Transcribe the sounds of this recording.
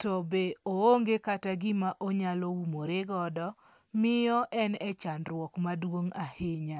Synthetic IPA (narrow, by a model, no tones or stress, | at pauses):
tɔbeooŋɡekataɡɪmaʔoɲalɔumoɾeɡɔdɔ | mɪjɔʔɛnɛt͡ʃanɾwɔkmadwoŋahɪɲa